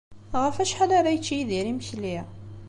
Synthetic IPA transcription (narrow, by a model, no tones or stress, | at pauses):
ʁəfæʃħalaɾæjət͡ʃːijiðiɾiməçli